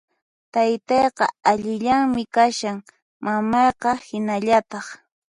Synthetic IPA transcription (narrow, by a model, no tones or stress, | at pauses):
t̪ajt̪ɑjqɑ̰aʎɪʎaŋmɪkaʃaŋ | mamɑjqɑhɪnaʎat̪ɑχ